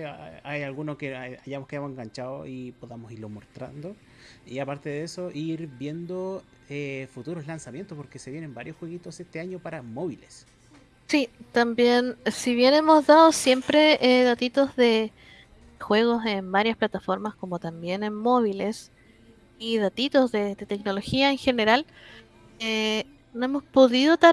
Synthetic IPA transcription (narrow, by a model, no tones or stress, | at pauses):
ajalɣunokeaʝamoskejamoseŋɡant͡ʃaoipoðamosiɾlomoɾt̪ɾa̰nd̪o | iapaɾt̪eðeesoʔiɾbje̞nd̪o | efut̪uɾoslansamje̞nt̪opoɾkeseβjenembaɾjosxweɣit̪osest̪eaɲopaɾamoβiles | sit̪ambje̞nsiβjenemo̞zðaðosje̞mpɾeeðat̪it̪o̞zðe | xwe̞ɣo̞sembaɾjasplat̪afo̞ɾmasko̞mot̪ambje̞ne̞nmo̞βile̞s | iðat̪it̪o̞zðed̪et̪ekno̞lo̞xiaeŋxe̞ne̞ɾal | e | noemo̞spo̞ðiðot̪a